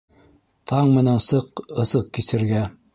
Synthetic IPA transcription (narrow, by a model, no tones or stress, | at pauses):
t̪ʰɑɴmɘ̆nænsɤqɤ̆sɤq̚kisɘ̆ɾɡæ